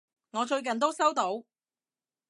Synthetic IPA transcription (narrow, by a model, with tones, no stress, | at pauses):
ŋɔː˨˧t͡ʃɵ˧ɥkɐ˨nt̪̬o˥wsɐ˥wt̪o˨˥w